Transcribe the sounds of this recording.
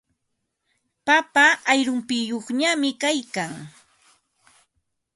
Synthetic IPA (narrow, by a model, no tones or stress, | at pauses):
papaːjɾʊmpɪjoχɲamɪkajkaŋ